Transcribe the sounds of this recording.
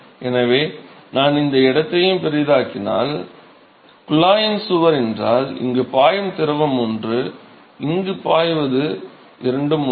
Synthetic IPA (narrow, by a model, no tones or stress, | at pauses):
ɛnɐʋeːnaːnɪnd̪ɐɪɽɐt̪ːɐjɯmpɛɾɪjðaːkɪna̰ːl | kʊlaːjɪnsʊʋɐɾɛndraːlɪ̰ŋɡɯpaːjɐmt̪ɪɾɐʋɐmɔndrɯ | ɪŋɡɯpaːjʋɐðɯ | ʔɪɾɐɳɖɯm